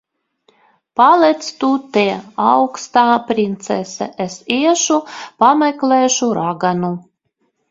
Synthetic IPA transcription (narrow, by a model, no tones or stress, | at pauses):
palˠɛt̪st̪ut̪eawkst̪aːpɾʲint̪sɛ̰sɛ̰ʔɛsiɛʃupamɛklʲˠɛːʃuɾaɡanu